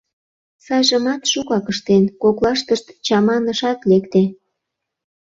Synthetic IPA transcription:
sɑjʒə̆mɑt̪ʃukɑkəʃt̪enkoklɑʃt̪əʃt̪t͡ɕɑmɑnə̆ʃɑt̪lekt̪e

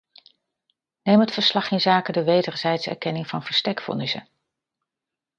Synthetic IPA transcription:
nejmɦətfəɹslɑχɪnzaːkədəʋejdəɹzɛjtsɛ̰ɹkɛnɪŋvɑ̰nv̥əɹstɛkfɔ̰nɪsə̰

